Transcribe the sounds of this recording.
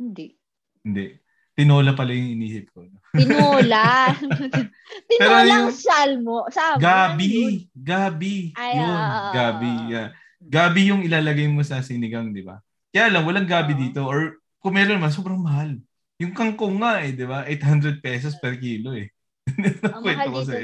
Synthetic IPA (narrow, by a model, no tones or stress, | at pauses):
ɪnd̪ɛ | hɪnd̪ɛʔ | t̪ɪnoːlɐpɐlɐjʊŋɪniːsɪp̚koʔɐnoɪnoːla | ɪɛɾojaŋsalmosaɡaːbɪɡaːbɪjonɡaːbɪja | ɡaːbɪjʊŋɪlaːlɐɡajmosɐsɪnɪɡaŋd̪ɪba̰ | kɐjaːlɐŋwɐlaŋɡaːbɪd̪iːt̪o̞ʔoɹ | kʊŋmɛːɾonɐmɐns̬oːbɾɐŋmɐɦal | jʊŋkɐŋkoŋːaʔɛd̪ɪbaʔejt̪hand̪ɾɛd̪̚pɛːs̬ospɛɾkiːlo̞ʔɛ | nnokwɛtkosɐ